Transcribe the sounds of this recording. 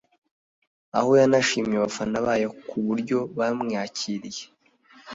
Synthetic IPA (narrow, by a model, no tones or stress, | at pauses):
a̰ho̞janaʃiːmjeβafanaβajekʰuβuɾɟo̞βamŋaːciɾije